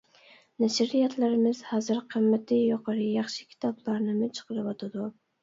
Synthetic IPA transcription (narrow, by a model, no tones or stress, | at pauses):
naʃɪɾɪjat̪ʰlaɾɪmɪz̥hazɪɾqʰɨmːat̪ʰɪjɒqʰɨɾɪjɑχʃɪ̥kʲʰi̥t̪ʰɒblaɾnɪmɪt͡ʃʰɨ̥qɨlɪpɒt̪ʰad̪ʊ